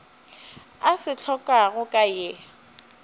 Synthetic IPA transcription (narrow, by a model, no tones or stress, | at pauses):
asɪt͡ɬʰɔkʼaɣʊkʼajɪ